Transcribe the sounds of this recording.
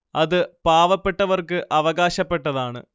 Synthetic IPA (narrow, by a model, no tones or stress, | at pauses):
ɐðɨpaːʋɐpːe̞ʈːɐʋɐrkɨʔɐʋɐɣaːɕɐpːe̞ʈːɐðaːɳɨ̰